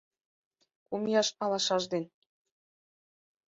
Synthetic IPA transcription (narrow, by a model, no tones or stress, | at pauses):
kumjɑʃɑlɑʃɑʒd̪en